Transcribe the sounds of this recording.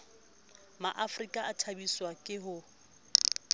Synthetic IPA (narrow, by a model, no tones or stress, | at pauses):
maʔafrikʼaʔatʰabiswakʼɪɦʊ